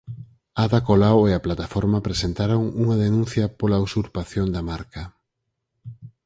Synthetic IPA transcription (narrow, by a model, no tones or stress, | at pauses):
aðakolaweaplat̪afɔɾmɐpɾesent̪aɾoŋuŋɐðenũn̟θjɐpolauwsuɾpaθjond̪ɐmaɾkɐ